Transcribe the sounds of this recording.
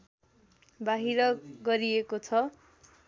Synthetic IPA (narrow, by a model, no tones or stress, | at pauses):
baɦiɾʌɡʌɾiekot͡sʰʌ